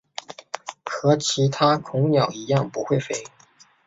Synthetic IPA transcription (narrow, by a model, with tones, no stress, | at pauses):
xɤ˧˥t͡ɕʰi˧˥t̪ʰa˥kʰʊ˧˥ŋnjɑ˨˩ʊi˧˥jɑ˥˩ŋpu˧˥xwe˥˩ɪfe˥ɪ